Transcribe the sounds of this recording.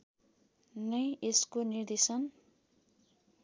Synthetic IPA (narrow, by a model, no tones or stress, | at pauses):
nʌjeskonird̪esʌn